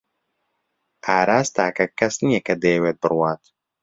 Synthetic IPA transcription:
ʔaːɾaːst̪aːkɐkːɐsnɨjɛkɐd̪eːweːt̪̚bɨrwaːt̪

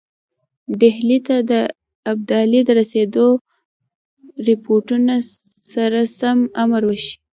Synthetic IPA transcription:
ɖehlit̪ad̪ə | ab̚d̪ɑlid̪əɾased̪o | ɾɪpoʈuna | saɾasamamaɾwəʃi̥

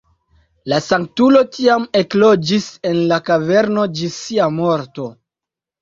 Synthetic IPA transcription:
lasaŋk̚tulo̞tʰiame̞klo̞d͡ʒise̞nlakave̞ɾno̞d͡ʒisiamo̞ɾto̞

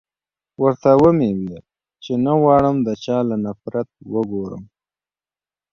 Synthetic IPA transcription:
wəɾt̪awəmewia | t͡ʃenawɑɽəmd̪ət͡ʃɑːlanafɾat̪̚wəɡoɾə̰m

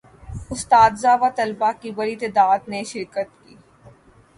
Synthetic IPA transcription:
ʊst̪aːd̪zaːʋat̪ɐlbakibɐɾit̪eːd̪aːd̪neʃɪɾkət̪kiː

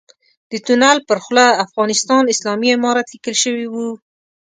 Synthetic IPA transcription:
d̪̥ət̪unalpəɾxlaafɣɑnɪst̪ɑnɪslɑmiamɑɾat̪likəlʃəwiwu

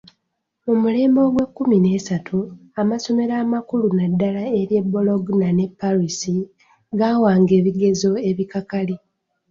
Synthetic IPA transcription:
mumule̞ːmbo̞ːɡwe̞kːumine̞ːsatʰuamaso̞me̞ɾaːmakulunadːalae̞ɾje̞bːo̞lo̞ɡnane̞pːaɾisi | ɡaːwaːŋɡe̞ːβiɡe̞zo̞e̞βikakali

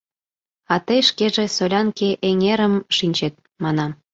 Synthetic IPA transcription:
ɑt̪əjʃkeʒesolʲɑnkeʔeŋeɾəmʃinʲt͡ɕet̪̚ | mɑnɑm

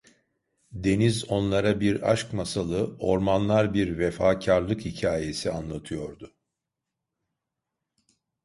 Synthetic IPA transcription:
d̪e̞nizo̞nlˠaɾabiɾa̰ʃkmasalˠɯo̞ɾmanlˠaɾbiɾvefaːcʰaɾlˠɯkhicʰaːje̞sianlˠat̪ʰɯjo̞ɾd̪ʊ

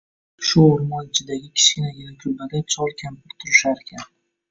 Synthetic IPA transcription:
ʃʊoɾmɒnɪt͡ʃʰɪd̪aɡʲɪkʲʰɪ̥ʃkʲɪnajʲɪnakʰʲʊlbaɡ̪ʲant͡ʃʰɒlˠkʲʰampʰɪɾt̪ʰʊɾɪʃaɾekʲʰan

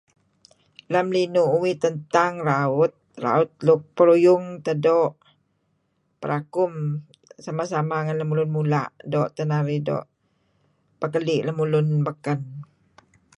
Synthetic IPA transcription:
lamlinuʔuwit̪ənt̪aŋraʊt̪̚ra̰ʊt̪̚lʊk̚pəɾujʊŋt̪ədɔʔ | pəɾʔakʊm | samasamaŋanləmulʊnmulaʔdɔʔt̪ənaɾidɔ̰ʔ | pəkəlɪʔləmulʊnbəkən

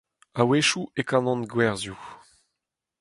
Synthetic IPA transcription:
aweʃuʔekãnɔ̃nɡwɛʁzju

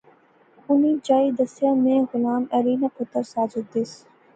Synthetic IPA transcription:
ʊniːd͡ʒaːid̪ɐsjaːmẽːɣʊlaːmɐɾiːnapʊt̪əɾsaːd͡ʒʊd̪ɪs

